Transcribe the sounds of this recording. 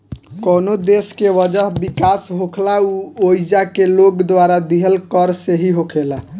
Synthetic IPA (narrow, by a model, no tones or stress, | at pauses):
kɔnod̪eskeʋəd͡ʒəɦbikasɦokʰlauoid͡ʒakelokd̪ʋaɾad̪iɦəlkəɾseɦiɦokʰela